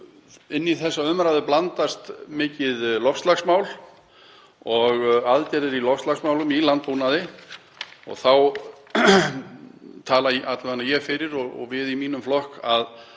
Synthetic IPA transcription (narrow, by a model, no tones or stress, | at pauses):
ɪnːiθɛsːaʏmɾajðʏplant̪ast̪mɪːcɪðlɔfst̪laxsmaːwl | ɔɣaðc̪ɛɾɛɾilɔfst̪laxsmaːwlʏmilant̪̚punaðɪ | ɔ̰ɣθaw | t̪ʰaːlaʔat̪lvanajɛɣfɪɾɪɾɔɣɔ̰ɣvɪðimiːnʏmflɔhkað